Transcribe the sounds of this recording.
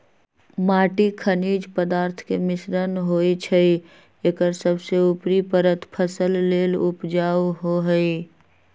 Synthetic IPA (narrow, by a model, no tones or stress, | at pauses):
maːʈikʰəniːd͡ʒpəd̪aːɾt̪ʰkemɪsɾənɦoːit͡ʃʰəi | eːkəɾsəbseʊpɾipəɾət̪ʰpʰəsəlːeːlʊpd͡ʒaːuɦoɦəi